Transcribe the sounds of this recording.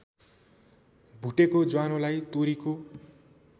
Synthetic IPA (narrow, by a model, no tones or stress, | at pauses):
bʱuʈekod͡zwanolajt̪oɾiko